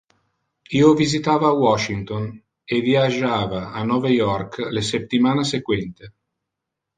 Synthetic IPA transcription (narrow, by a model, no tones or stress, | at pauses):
iːovizit̪aːvaːwɔʃiŋt̪on | eviad͡ʒaːvaːnːɔːvajɔrkleset̪ːimaːnasekwɛnt̪e